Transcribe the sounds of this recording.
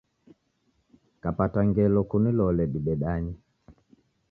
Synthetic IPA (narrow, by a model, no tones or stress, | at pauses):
kapataŋɡɛlɔkunilɔlɛɗibɛɗaɲi